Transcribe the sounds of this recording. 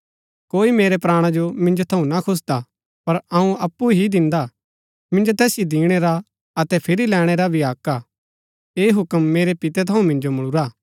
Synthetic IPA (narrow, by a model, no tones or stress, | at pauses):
koːimeːɾɛpɾaːɽ̃ad͡ʒomɪ̃nd͡ʒot̪ʰɐũnɐkʰʊs̬d̪a | pɐɾɐũɐpːuɦid̪ɪ̃nd̪a | mɪ̃nd͡ʒot̪ɛːsjid̪ĩːɽ̃ɛɾa | ɐt̪ɛpʰɪɾilɛːɽ̃eɾabʱiaːka | eːɦʊkəmːeːɾepɪt̪ɛt̪ʰɐũmɪ̃nd͡ʒomɐɭ̃ʊɾaː